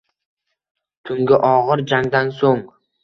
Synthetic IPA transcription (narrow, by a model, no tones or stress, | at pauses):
t̪ʰʊŋɡʲɪʔɒʁɨɾd͡ʒaŋd̪ansoŋ